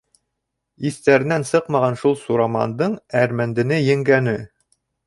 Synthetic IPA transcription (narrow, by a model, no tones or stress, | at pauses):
iθt̪æɾɘ̆nænsɤqmɑʁɑnʃulˠsuɾamɑ̰nd̪ɤɴæɾmænd̪ɘ̆nɘjɘ̆ŋɡænɘ